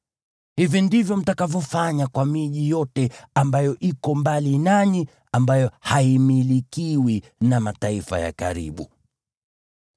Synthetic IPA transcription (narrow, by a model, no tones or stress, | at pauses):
hivindivjɔm̩takavjɔfaɲakwamiʄijɔtɛambajɔʔikɔmbalinani | ambajɔhaimilikiwi | namataifa̰ja̰ka̰ɾḭɓu